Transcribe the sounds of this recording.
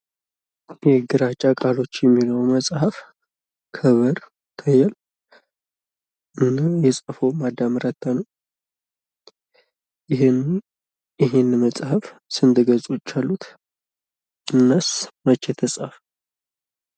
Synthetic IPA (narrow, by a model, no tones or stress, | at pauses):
jɛɡɨɾat͡ʃʼːakʼalo̞t͡ʃːjɛmːiləwməsʼhaf | kʰəβəɾ | t̪ʰəjɛl | ɨnajɛsʼəfomad̪ːamɨɾət̪ʰːanəw | jɪɦ | jɪɦenməsʼhafsɨnd̪ɨɡəzʼut͡ʃːalːut̪ | ɨnːəsmət͡ʃːɛt̪ʰəsʼəf